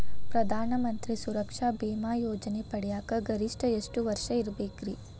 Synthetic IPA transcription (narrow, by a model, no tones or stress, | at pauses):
pɾɐd̪ʱaːnɐmɐnt̪ɾisuɾɐkʂaːbeːmaːjoːd͡ʒɐnepɐɽɛjaːkɐɡɐɾiʂʈɐeʂʈuʋɐɾʂɐiɾbeːɡɾi